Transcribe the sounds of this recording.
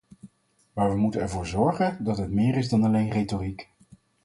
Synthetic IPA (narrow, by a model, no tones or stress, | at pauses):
maːɹʋəmutənɛɹvʊːɹzɔɹχəndɑtɦətmɪːɾɪzdɑnɑlejnrejtorik